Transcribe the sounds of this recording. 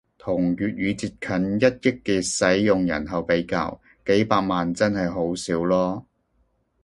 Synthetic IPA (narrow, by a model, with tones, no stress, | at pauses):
t̪ʰʊ˨˩ŋɥyː˨t̚ɥyː˨˧t͡siː˧t̚kʰɐ˨˥njɐ˥t̚jɪ˥kːiː˨˧sɐ˨˥jːʊ˨ŋjɐ̰˨˩nɦɐ˨wpe˨˥jka̰ː˧w | ke˨˥jpaː˧k̚maː˨nt͡sɐ˥nhɐ˨jɦo˨˥wsiː˨˥wlɔː˥